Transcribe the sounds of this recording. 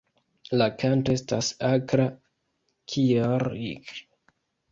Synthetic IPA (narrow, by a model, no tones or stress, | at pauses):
lakantoe̞stasakɾa | kʰiaɾḭk